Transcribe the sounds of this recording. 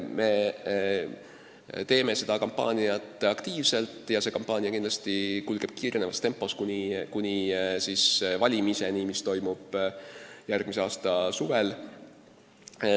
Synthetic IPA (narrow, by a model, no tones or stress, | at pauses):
me̞ | t̪e̞ːme̞se̞d̪̥ɑkompːˑɑ̰ːnʲiɑt̪ˑɑkt̪iːvse̞lt̪ːˑjɑse̞kompːˑɑːnʲiɑkind̪lɑ̥st̪ikulɡ̥e̞b̥̚kiːɾenevɑst̪e̞mpːˑo̞skunʲikunʲisisvɑlʲimise̞nimist̪o̞jmub̥ | jærɡ̥mise̞ɑːst̪ɑsuvel